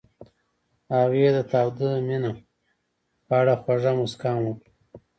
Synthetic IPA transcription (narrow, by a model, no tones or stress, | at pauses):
ɑːwed̪ət̪aːwd̪əmina | pəaɽaxwaʐamuskɑːmwu